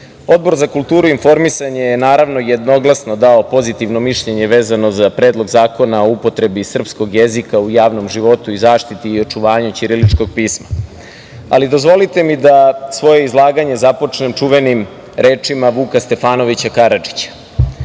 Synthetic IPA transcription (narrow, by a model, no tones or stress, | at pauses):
o̞d̪̚bo̞ɾzakulˠt̪uːɾuinfo̞ɾmisaɲejenaːɾaʋno̞jed̪no̞ɡlasno̞d̪aopo̞zit̪iʋno̞miʃʎeɲe̞ʋe̞ːzano̞zapɾe̞ːd̪lˠo̞ɡzaːko̞nao̞upo̞t̪ɾe̞bisr̩psko̞ɡjezikaujaːʋno̞mʒiʋo̞t̪uizaːʂt̪it̪iːo̞t͡ʂuʋaːɲut͡ɕiɾilit͡ʂko̞ɡ̚piːsma̰ | a̰lid̪o̞zʋo̞lit̪e̞mid̪asʋo̞je̞izlˠaːɡaɲe̞zapo̞t͡ʂnemt͡ʂuʋenim | ɾe̞ːt͡ʂimaʋuːkast̪e̞faːno̞ʋit͡ɕakaɾad͡ʒi̥t͡ɕḁ